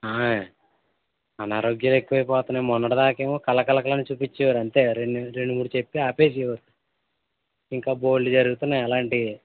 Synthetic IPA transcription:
aː | ɐnaːɾoːɡjɐle̞kːuʋɐjpɔːt̪ɐnɐmɔnːɐɽɐd̪aːke̞ːmoːkɐlɐkɐlɐkɐlɐnit͡ʃuːpit͡ʃːɛʋaɾɐɳt̪e̞ːɾeɳːuɾeɳːumuːɽut͡ʃepːiaːpe̞ːs̬iʋaɾu | iŋkaːboːlːud͡ʒɐɾuɡut̪unːaːjɐlaːɳʈi

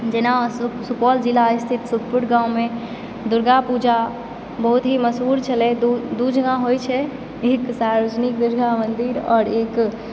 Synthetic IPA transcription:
d͡ʒenasukɔːld͡ʒilaist̪ʰit̪suk̚pʊɽɡãːwmẽ | d̪ʊɾɡapud͡ʒa | bəɦut̪ɦiməsɦuːɾt͡ʃʰəled̪ud͡ʒʱɡãɦojt͡ʃʰɛ | eːksaɾəd͡ʒnik̚d̪ʊɾɡamənd̪iɾɔːɾeːk

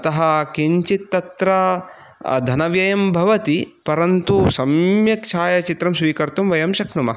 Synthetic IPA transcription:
ɐt̪ɐɦɐkiɲt͡ʃit̪ːɐt̪ɾɐ | d̪ʱɐnɐʋjɐjɐmbʱɐʋɐt̪ipɐɾɐnt̪usɐmjɐkt͡ʃʰaːjɐt͡ʃit̪ɾɐmsʋiːkɐɾt̪umʋɐjɐmʃɐkʰnumɐ

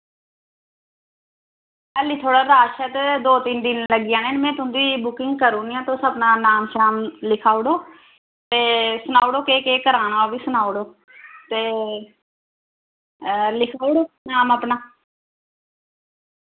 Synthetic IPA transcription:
əliːt̪ʰoːɽaːɾaːʃət̪d̪oːt̪ɪnd̪ɪnləɡɪːãːneːnmɛ̃ːt̪ʊ̃nd̪iːbʊkɪŋɡ̚kəɾuːniãːt̪oːsəbnaːnaːmʃaːmlɪkʰaːɽoː | t̪eːsʊnaːʊɽoːkeːkeːkəɾaːnaːoʋiːsʊnaːoɽoː | t̪eː | lɪkʰaːɽoːnaːməpnaː

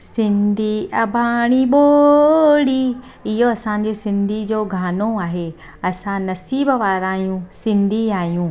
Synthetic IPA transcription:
sɪ̃nd̪ʱiɐbʱaːɽ̃iɓoːɽi | ɪɦoɐsãɲ̆d͡ʑeːsɪ̃nd̪ʱid͡ʑoːɡʱaːnoaːɦe | ɐsãnɐsiːbʋaːɾaːɦijũsɪ̃nd̪ʱiaːɦijũː

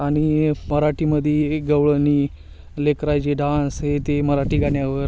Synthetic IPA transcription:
aɽ̃iməɾaʈiməd̪ʱjeɡəʋɭəniː | lekɾajd͡ʑeɖãsɦet̪eməɾaʈiːɡʱaɳjaʋəɾ

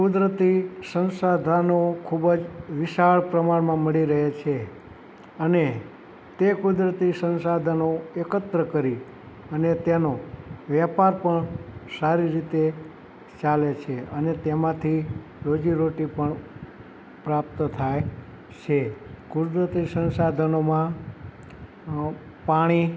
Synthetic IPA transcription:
kud̪ɾət̪isənsad̪ʱanokʰubəd͡ʒʋɪʃaɭpɾəmaɳmãməɭiɾəɦet͡ʃʰe | əne | t̪ekud̪ɾət̪isənsad̪ʱanoekət̪ɾəkəɾi | ənet̪enoʋjapaɾpəɳsaɾiɾit̪e | t͡ʃalet͡ʃʰeənet̪emãt̪ʰi | ɾod͡ʒiɾoʈipəɳ | pɾap̚t̪t̪ʰaj | t͡ʃʰekʊd̪ɾət̪isənsad̪ʱənomã | paɽ̃i

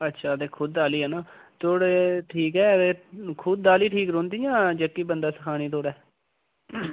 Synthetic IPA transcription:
ətːʃʰaːt̪eːkʰʊd̪ːaːliːɦɛnaːt̪oːɽeːʈʰiːkɦɛːt̪eːkʰʊd̪̚d̪aːliːʈʰiːkɾõːnd̪iːjãːd͡ʒəkːiːbənd̪aːsə̥kʰaːɽ̃iːt̪oːɽɛː

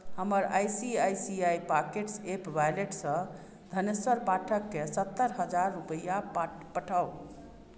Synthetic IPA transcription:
həməɾajsiajsiajpakeʈsepbajleʈsə̃ | d̪ʱəneswəɾpaʈʰəkːesət̪ːəɾɦəd͡ʒaɾːupəjapəʈʰəw

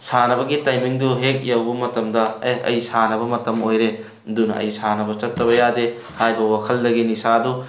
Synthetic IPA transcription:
sanɐbɐɡitajmiŋduɦek̚jɐwbɐmɐtɐmdɐɐ̰jsanɐβɐmɐtɐmojɾe | dunɐ̰ɐ̰jsanɐbɐt͡ʃɐtʰːɐβɐjade | hajbɐwakʰɐldɐɡinisadu

